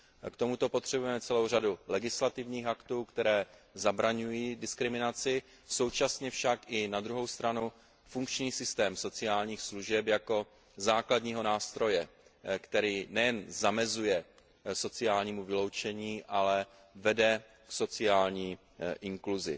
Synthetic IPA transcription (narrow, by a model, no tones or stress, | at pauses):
kt̪o̞mut̪o̞po̞t̪r̝̥ɛbujɛmɛt͡sɛlo̞wr̝adulɛɡɪslat̪ɪvɲiːxakt̪uːkt̪ɛɾɛːzabɾaɲujiːdɪskɾɪmɪnat͡sɪ | so̞wt͡ʃasɲɛfʃakʔɪnad̪ɾuɦo̞wst̪ɾanu | fuŋkt͡ʃɲiːsɪst̪ɛːmso̞t͡sɪaːlɲiːxsluʒɛpjako̞ | zaːkladɲiːɦo̞naːst̪ɾo̞jɛ | kt̪ɛɾiːnɛjɛnzamɛzujɛ | so̞t͡sɪjaːlɲiːmuvɪlo̞wt͡ʃɛɲiːʔalɛ | vɛdɛ | kso̞t͡sɪaːlɲiː | ʔɪŋkluzɪ̰